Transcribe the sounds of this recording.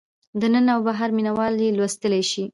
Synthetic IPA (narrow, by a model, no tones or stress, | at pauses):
d̪ənənawbaɦaɾminawɑlelwast̪əlajʃi